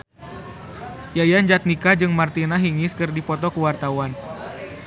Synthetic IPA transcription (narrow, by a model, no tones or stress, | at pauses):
jajaɲd͡ʒat̪̚nikad͡ʒɨŋmart̪inaɦiŋiskɨrdipɔt̪ɔkuwart̪awan